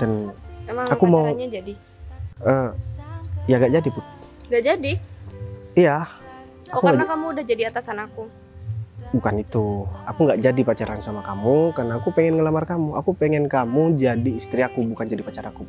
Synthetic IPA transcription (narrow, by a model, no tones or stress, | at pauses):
danemaŋakumauɲad͡ʒadi | ə | jaɡaʔd͡ʒadipʊn | ŋɡaʔd͡ʒadi | ija | kauaɡakamuːdahd͡ʒadiat̪asanaku | bukanit̪uakuŋɡaʔd͡ʒadipat͡ʃaɾansamakamukarnaːkupɛŋɛnŋəlamarkamuakupɛŋɛnkamud͡ʒadiːst̪ɾiakubukand͡ʒadipat͡ʃaɾaku